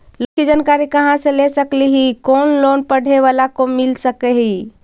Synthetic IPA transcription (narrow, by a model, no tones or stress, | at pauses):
lokid͡ʒankaɾikəɦãsə̃lesəkliɦikonlonpəɽ̤ʱeʋalakomilsəkeɦi